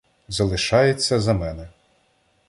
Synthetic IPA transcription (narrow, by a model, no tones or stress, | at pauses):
zɐlˠɪʃɑjet͡sʲːɐzɐmɛnɛ